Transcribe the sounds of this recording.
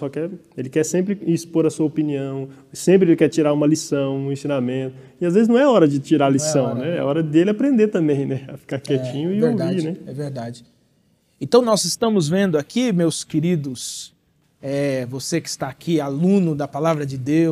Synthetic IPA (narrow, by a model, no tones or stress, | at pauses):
sɔkɛɾ | elɪkɛsẽmpɾɪispoɾɐsuɐopiniɐ̃w̃ | sẽmp̬ɾɪelɪkɛt͡ʃiɾaɾũmɐlisɐ̃w̃ũẽsĩnamẽnt̪ʊ | ɪazvezɪznɐ̃w̃ɛaɔɾɐd͡ʒɪt͡ʃiɾalisɐ̃w̃nɛɛ̰aɔɾɐd̪elɪapɾẽnd̪et̪ɐ̃mbẽj̃nɛɐfi̥kakɛt͡ʃĩɲʊɪveɾaviɾnɛɛveɾd̪ad͡ʒɪ | ẽt̪ɐ̃w̃nɔzɪst̪ɐ̃mʊzvẽnd̪ʊakimewskeɾid̪ʊs | ɛvosekɪ̥st̪aːkʰialũnʊd̪ɐpalavɾɐd͡ʒɪd̪ew